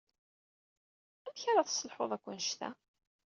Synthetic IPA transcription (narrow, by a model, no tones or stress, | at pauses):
æmçaɾaθsəlħoðˤækʷːənʃt̪æ̰